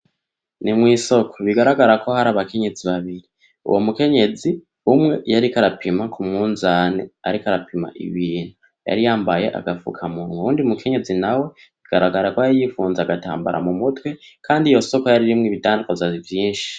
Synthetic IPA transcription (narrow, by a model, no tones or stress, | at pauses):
nimŋiːso̞kʰoβiɡaɾaɡaɾako̞haɾaːβake̞ɲe̞d͡ziβaβiɾi | ṵwomuke̞ɲe̞d͡zi | umŋe̞jaɾikaɾapʰimakʰumŋuːnzaːnḛa̰ɾikaɾapʰima̰ʔḭβiːn̥hu | ja̰ɾijaːmbaje̞̰ʔa̰ɡafṵkʰamunuuːndiumukʰe̞ɲe̞zinawe̞ | βiɡ̥aɾaɡaɾakwaajifuːnzaaɡata̰ːmba̰ɾʔa̰mumutwe̞kʰaːndijo̞so̞kojaɾiɾimŋiβitaːndukozavjiːnʃi̥